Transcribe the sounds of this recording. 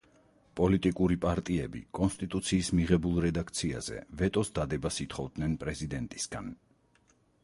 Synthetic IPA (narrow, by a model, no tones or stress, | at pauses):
pʼɔlit̪ʼikʼuɾipʼaɾt̪ʼiɛbḭkʼɔnst̪ʼit̪ʼut̪sʰiːsmiʁɛbulˠɾɛd̪akʰt̪sʰia̰z̥ɛ̰vɛt̪ʼɔsd̪ad̪ɛbasit̪ʰχɔvd̪nɛnpʼɾɛzid̪ɛnt̪ʼisɡ̥a̰n